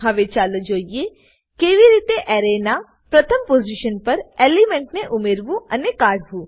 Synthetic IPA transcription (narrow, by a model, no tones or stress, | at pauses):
ɦɐʋet͡ʃaːlod͡ʒoːie | keːʋiɾiːt̪eʔɛːɾena | pɾɐt̪ʰəmpoːziʃənpɐɾeːlimẽɳʈneʔʊmeːɾʋũɐnekaːɽɦũː